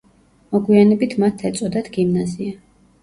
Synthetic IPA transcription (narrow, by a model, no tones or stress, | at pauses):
mɔɡwianɛbit̪ʰmat̪ʰːɛt̪sʼɔd̪at̪ɡimnazia